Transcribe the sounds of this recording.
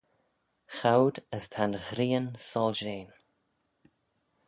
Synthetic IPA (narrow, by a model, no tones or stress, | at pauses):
xawd̪əst̪ʰanɣɾiːənsɔlʒeːn